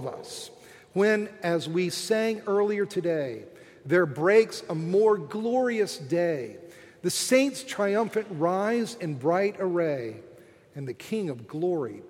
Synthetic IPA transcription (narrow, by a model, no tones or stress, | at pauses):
vʌ̰s | wɨ̃nɨzwisæ̃ŋɜ˞lˠiə˞tʰɨdeɪ | ðə˞bɹeɪksəmɔɹɡlɔɹiɨsd̥eɪ | ðɨsẽɪ̃ntstʰɹ̥aɪʌ̃ɱfɨ̃nʔɹaɪzɨ̃nbɹaɪɾə˞eɪ | ɨ̃nðɨkʰɪ̃ŋʌvɡlɔɹḭ